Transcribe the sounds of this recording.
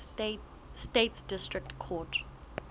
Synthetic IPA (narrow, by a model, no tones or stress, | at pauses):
steːtsd̥ɪstɹɪk̚tkʰɔːt